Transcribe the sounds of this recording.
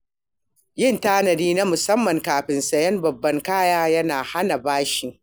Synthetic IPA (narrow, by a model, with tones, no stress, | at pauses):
jɪ˦˨ntaː˦nɐ˨diː˦na˦mʊ˨sɐ˦mːɐ˨ŋkaː˨ɸɪ˨nsɐ˨jɐ˦mbɐ˨bːɐ˦ŋkaː˦jaː˦jɐ˦naː˨ha˦na˨baː˦ʃɪ˨ŋ